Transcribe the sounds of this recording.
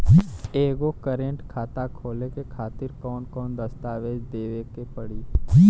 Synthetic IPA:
eːɡokəɾẽɳʈkʰaːt̪akʰoːlekekʰaːt̪ɪɾkɔːnkɔːnd̪əst̪aːʋeːd͡ʒd̪eːʋekepəɽiː

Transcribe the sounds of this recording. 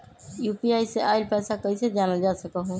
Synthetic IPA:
jupiajseʔaɪlpɛsakəjsed͡ʒanəld͡ʒasəkəɦũ

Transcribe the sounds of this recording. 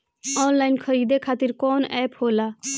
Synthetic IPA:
ɔːnlaːɪnkʰəɾiːd̪ekʰaːt̪iɾkɔːnɛːphoːlaː

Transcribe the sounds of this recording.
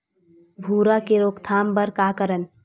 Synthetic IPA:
bʱuːɾakeɾoːkt̪ʰaːmbəɾkakəɾən

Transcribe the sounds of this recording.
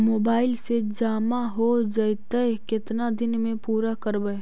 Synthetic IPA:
moːbaːɪlsed͡ʒaːmaɦod͡ʒəjt̪əkɪt̪nad̪ɪnmẽpuːɾakəɾbəe

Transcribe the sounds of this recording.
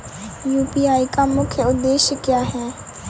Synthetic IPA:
juːpiːaːikamʊkʰjəʊd̪ːeːʃkjaːɦɛː

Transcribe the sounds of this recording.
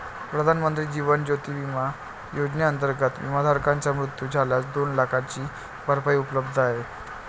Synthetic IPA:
pɾəd̪ʱanmənt̪ɾiːd͡ʑiʋənd͡ʑot̪iːʋima | jod͡ʑneənt̪əɾɡət̪ʋḭmad̪ʱaɾkãɲt͡ɕjamɾut̪juːd͡zʱalat͡sd̪onlakʰat͡ɕiː | baɾpaiupələbd̪ʱaɦe

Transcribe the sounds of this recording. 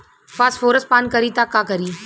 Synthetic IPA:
pfaːsfoːɾəspaːnkəɾiːt̪aːkaːkəɾiː

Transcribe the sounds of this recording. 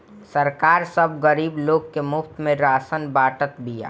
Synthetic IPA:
sɐɾkaːɾsɐbɣɐɾiːbloːɡkemʊft̪mẽɾaːsənbaːʈət̪bija̰ː

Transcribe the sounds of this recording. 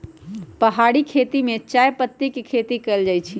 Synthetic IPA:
pəɦaɽikʰet̪imet͡ʃajpət̪ːikekʰet̪ikəld͡ʒajt͡ʃʰi

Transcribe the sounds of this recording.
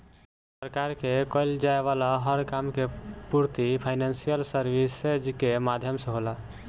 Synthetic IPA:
səɾkaɾkekəɪld͡ʒaeβalaɦəɾkamkepuɾt̪ipʰaɪnansijəlsəɾbised͡ʒkemad̪ʱjəmsə̃ɦola

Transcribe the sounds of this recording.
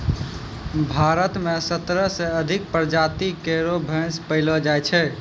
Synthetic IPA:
bʱaɾət̪mesət̪ɾəsẽəd̪ʱik̚pɾd͡ʒat̪ikeɾobʱə̃spəɪləd͡ʒajt͡ʃʰɛ

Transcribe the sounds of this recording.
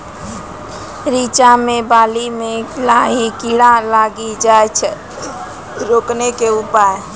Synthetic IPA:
ɾit͡ʃamebalimelaɦikiɽalaɡid͡ʒajt͡ʃʰɛ | ɾoknekeupaj

